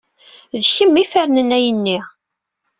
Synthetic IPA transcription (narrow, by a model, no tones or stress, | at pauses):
ðçəmːifæɾnənæjənːi